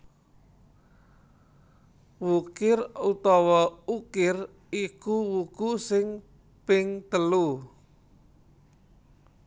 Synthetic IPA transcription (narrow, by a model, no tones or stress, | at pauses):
wukɪrut̪ɔwɔukɪr | ikuwuɡ̥usɪŋ | pɪŋt̪əlu